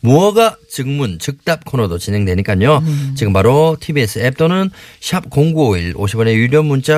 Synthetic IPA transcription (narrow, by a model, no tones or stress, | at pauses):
muʌɡat͡ɕɯŋmunt͡ɕɯk̚t͈ap̚kʰonodot͡ɕine̞ŋdweɲik͈aɲot͡ɕiɡɯmpaɾotʰibies͈ʰɯep̚t͈onɯnɕʰap̚koŋɡuoiɭoɕʰibʌnejuɾjʌmunt͡ɕ͈a